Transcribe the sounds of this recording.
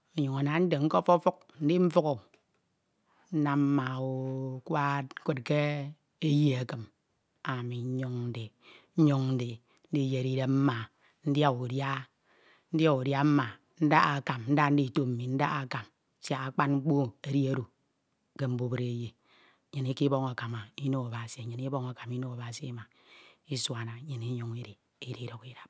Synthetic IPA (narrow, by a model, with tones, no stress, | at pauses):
o˨ɲo˨ŋa˨na˨˦n̩˦de˨ŋ̩˦ko˦fɔ˦fu˦k̚n̩˦di˦ɱ̩˦fu˦ko˨ | n̩˦na˨m̩˦ma˨wo˨kwa˦ko˦t̚ke˦ | e˦ji˦e˨kɨ˨m | a˨mi˨ɲ˦ɲo˦ŋn̩˦di˨ | ɲ̩˦ɲo˦ŋn̩˦di˨ | n̩˦di˦˨je˨ɾi˦ɾe˦m̩˦ma˨ | n̩˦dja˦u˨dja˦ | n̩˦dja˦u˨dja˦m̩˦ma˨ | n̩˦da˦a˨ka˨mn̩˦da˦n̩˦di˦˨to˦m̩˨mi˨n̩˦da̰˦ɣa˨ka˨m˦ | sja˨a˦k͡pa˦nŋ͡m̩˦k͡po˦e˨ɾi˦e˦ɾu˨ | ke˦m̩˦bu˦bɨ˦ɾe˦je˨ | ɲɨ˨ni˦ki˦bɔ˦ŋa˨ka˨ma˨i˦no˦a˨ba˨si˨e˨ɲɨ˨ni˦bo˦ŋa˨ka˨mi˦no˦a˨ba˨si˦ma˨ | i˦swa˨na˨˦ɲɨ˨ni˦ɲu˦ŋi˦ɾi˨ | i˦ɾi˦ɾo˨ki˦ɾa˨p̚